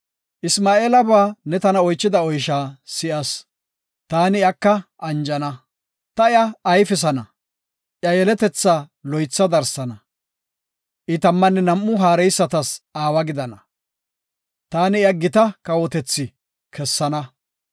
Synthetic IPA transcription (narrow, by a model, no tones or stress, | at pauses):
ʔɪsmaːeːlɐbaːnɛt̪ɐnɐɔjt͡ʃːɪd̪ɐɔjʃaːsɪʔɐs | t̪aːnɪjɐkːɐʔɐnd͡ʒɐnɐ | t̪ɐɪjɐɐjfɪs̬ɐnɐ | ʔjɐjɛlɛt̪ɛt͡sːalɔjt͡sːɐd̪ɐɾsɐnɐ | ʔɪt̪ɐmːɐnːɛnɐmːʊɦaːɾɛjsːɐt̪ɐsaːwɐɡɪd̪ɐnɐ | t̪aːnɪjɐɡɪt̪ɐkɐwɔt̪ɛt͡sːɪ | kʰɛsːɐnɐ